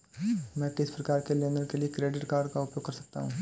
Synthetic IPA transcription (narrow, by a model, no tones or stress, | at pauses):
mɛ̃ːkɪspɾɐkaːɾkeleːnəɾkeliekɾeːɖɪʈkaːɾɖkaʊpjoːɡ̚kːɐɾsɐk̚t̪a̰ɦũː